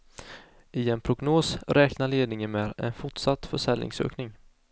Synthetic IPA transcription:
ʔɪɛnpʰɾʊɡnoːsɾɛːknaɭeːd̪nɪŋənmɛːd̪ɛ̰nfʊʈsat̪ːfœʂɛlːnɪ̰ŋsø̰ːknɪŋ

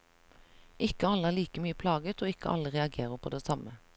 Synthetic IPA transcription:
ʔɪkəɑləæːʁliːkəmyːəpʰlɑːɡət̪oːɪkə̰ʔɑ̰ləʁɛɑɡeːʁəpʰo̰ːd̪eːsɑmə

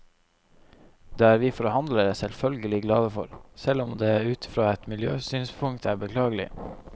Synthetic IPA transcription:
d̪eːæːɾʋiːfɔɾhɑnd̪ləɾəsɛlfœlɡəlɪɡlɑːd̪əfɔ̰ɾsɛlɔmd̪eːæːɾʉːt̪ɪ̥fɾoːɛt̪mɪljøːsyːnspʰʊŋk̚t̪ʰæːɾbəkʰlɑːɡəlɪ̰

